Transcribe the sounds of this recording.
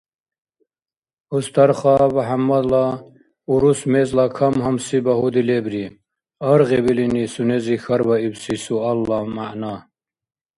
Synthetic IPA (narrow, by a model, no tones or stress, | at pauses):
ust̪ʰɐɾχɑbɐɦamːɐd̪lɑ | uɾusmezlɑkʰɐmɦɐmsibɐɦud̪ilebɾi | ɐɾɣebilinisunezixɐɾbɐibsisuɐlːɑmaʕna